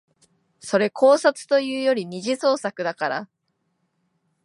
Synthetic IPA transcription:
so̞ɾe̞kʰo̞ːsat͡sɨ̥t̪o̞jɯ̟ːjo̞ɾʲiɲ̟iʑiso̞ːsakɯ̟d̪akaɾa̰

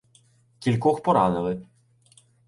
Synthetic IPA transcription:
kʲilʲkɔxpɔɾɑnɪlˠɪ

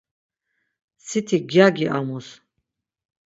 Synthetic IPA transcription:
sit̪ʰiɡjaɡiʔamus

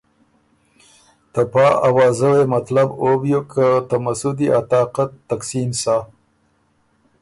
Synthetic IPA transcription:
t̪apɑːawɑːzawemat̪labobjokʰat̪amasud̪iʔat̪ɑːqat̪ːaksiːnsa

